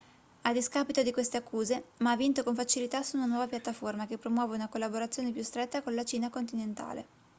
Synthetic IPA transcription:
ad̪iskapit̪od̪ikwest̪eakːuːzemaavːint̪okoɱfat͡ʃilit̪asuunanwɔːvapjat̪ːaformakepːɾomwɔːveunakolːaboɾat̪sːjoːnepjust̪ɾet̪ːakonlat͡ʃiːnakont̪inent̪a̰ːlḛ

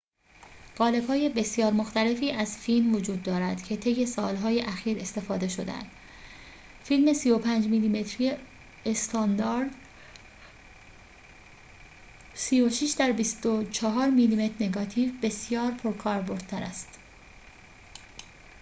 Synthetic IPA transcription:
ɢ̥ɒːle̞b̥hɒːje̞be̞sjɒːɾmo̞xt̪æle̞fiːʔæzfilmvod͡ʒuːd̪ːɒːɾæd̪̥cʰe̞t̪ʰejːe̞sɒːlɦɒːje̞ʔæxiːɾe̞st̪e̞fɒːd̪e̞ʃo̞d̪ḛæ̰nd̪̥ | filme̞sijo̞pʰænd͡ʒmiliːme̞t̪ʰɾije | est̪ʰɒnd̪ɒɾd̪ | siːjoʃiʃd̪æɾbist̪ot͡ʃʰɒɦɒːɾmilime̞t̪ʰɾne̞ɡɒːt̪ʰiːvbe̞sjɒːɾpʰoɾkʰɒːɾbo̞ɾd̪̥̚t̪ʰæɾæ̰st̪

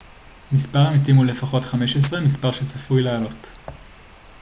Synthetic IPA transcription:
mispaʁamitimule̞faχo̞tχameʃesʁemispaʁʃet͡safujlealo̞t

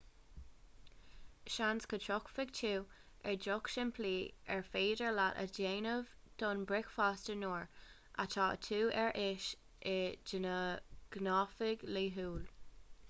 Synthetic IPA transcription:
ʃanskʰətʰɹɔkfɪɡtʰuː | ɛɹdɔkʃɪnpʰliːɛɹfeːdəɹlatə̰d͡ʒeːnəvd̪̥ɔnbɹɪkfaːstənoːɹ | ʔa̰tʰɑːə̰tʰuːɛɹʔɪʃ | ʔɪd͡ʒɪnəɡ̥nɑːfɪɡliːɦuːl

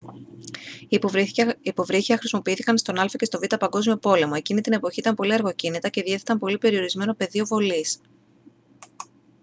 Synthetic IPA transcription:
ipo̞vɾiθiɐxɾisimo̞piiθikɐnst̪o̞nɐlfɐce̞st̪o̞vit̪ɐpɐŋɡo̞zmio̞po̞le̞mo̞e̞cinit̪ine̞po̞çiit̪ɐmpo̞liɐɾɣo̞cinit̪ɐce̞ðie̞θet̪ɐmpo̞lipe̞ɾio̞ɾizme̞no̞pe̞ðio̞vo̞lis

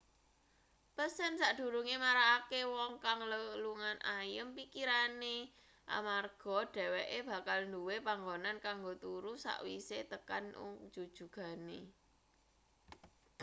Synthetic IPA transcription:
pəsɛnsaʔɖ̪̥ṳɾuŋemaɾaːkewɔŋkaŋləluŋanʔajəmpikiɾane | ʔa̰marɡ̥ɔ̤ɖ̥ɛ̤weʔeb̥ä̤kalnduwepaŋɡonankaŋɡot̪uɾusa̰ʔwiset̪əkanʔṵ̥d͡ʒ̥ud̥ʒ̥ṳɡ̥a̤ne

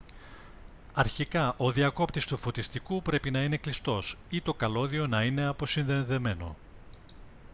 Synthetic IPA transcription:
ɐɾçikɐʔo̞ðiɐko̞pt̪ist̪ufo̞t̪ist̪ikupɾe̞pinɐine̞klist̪o̞sit̪o̞kɐlo̞ðio̞nɐine̞ɐpo̞sinðenðe̞me̞no̞̰

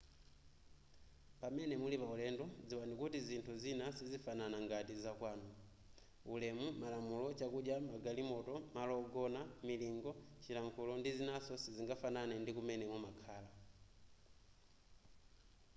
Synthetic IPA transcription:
pamɛnɛmulipaulɛndɔd͡ziwanikutizintʰuzinasizifananaŋɡatizakwaːnɔ | ulɛmumalamulɔt͡ʃakuɗjamaɡalimɔtɔmalɔɡɔnamiliŋɡɔt͡ʃilaŋkʰulɔndizinasɔsiziŋɡafananɛndikumɛnɛmɔmakʰaːla

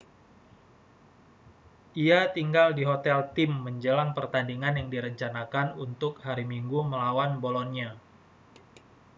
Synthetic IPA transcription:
ʔiat̪iŋɡaldiɦot̪ɛlt̪ɪmːəɲd͡ʒəlaŋpərt̪andiŋanjaŋdiɾəɲt͡ʃanakanunt̪ʊk̚haɾimiŋɡuməlawanbolɔnɲa

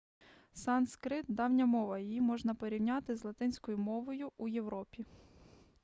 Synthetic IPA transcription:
sɑnskɾɪt̪̚d̪ɑwnʲɐmɔʋɐjijimɔʒnɐpɔɾʲiwnʲɑt̪ɪzlˠɐt̪ɪnʲsʲkɔjʊmɔʋɔjʊujewɾɔpʲi

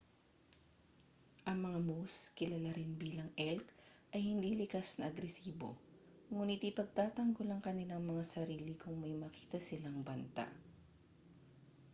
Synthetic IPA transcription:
ʔɐŋmɐŋamuskɪlɐlaɾɪnbiːlɐŋʔɛlkʔɐjhɪnd̪iːlɪkasnɐʔɐɡɾɛsiːbo̞̰ | ŋuːnɪt̪ipɐɡ̚t̪aːt̪ɐŋɡolɐŋkɐnɪlaŋmɐŋasɐɾiːlɪkʊŋmɐjmɐki̥ːt̪ɐsɪlaŋbɐnt̪a̰ʔ

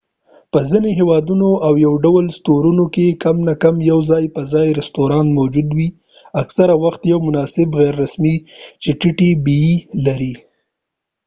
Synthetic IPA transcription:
pəzineɦewɑd̪unoʔawjawɖawəlst̪oɾunokekamnakamjawzɑjpəzɑjɾɪst̪oɾɑnmawd͡ʒud̪wi | aksaɾawaxt̪jawmʊnɑsɪbɣaɾːasmit͡ʃɪʈɪʈibiilaɾi

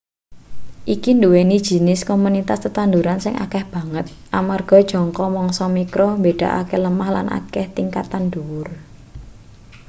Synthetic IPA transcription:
ʔikinduwenid̥ʒ̥i̤nɪskomunit̪ast̪ət̪and̪uɾansɪŋʔa̰kɛhb̥ä̤ŋət̪̚ʔamarɡ̥ɔ̤d̥ʒ̥ɔ̤ŋkɔmɔŋsɔmikɾɔmbeɖ̥a̤ʔa̰keləmahla̰nʔa̰kɛht̪iŋkat̪anduwʊr

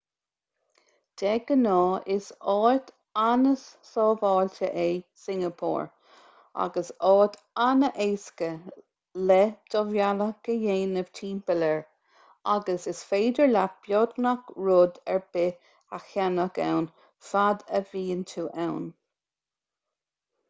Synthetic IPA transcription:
d̪̥ɛɡənɔːʔɪsɔːt̪ | anəsːɔːvɑːltəʔejsɪŋəpʰɔ̰ːɹ | a̰ɡəsɔːt̪ | anəʔeːskə | lɛd̪̥ɔvjaləkəjeːnəv̥tʰiːmpələɹ | aɡəsɪsfeːdəɹlab̥jɔd̪nakɹʊd̪ɛɹb̥ɪ | axjanəka̰wn | fad̪əviːənt̪ʰuːʔawn

